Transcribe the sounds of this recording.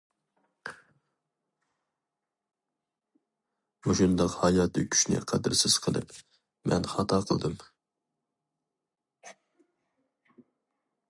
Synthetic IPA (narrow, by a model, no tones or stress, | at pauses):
uʃund̪ɑqhɑjɑt̪ːɨkʲʰy̥ʃnɪ̰qʰæd̪ɨɾsɪz̥qʰəlˠɨ̰p | mɛ̰nχɑt̪ʰɑqʰəlˠd̪ɨm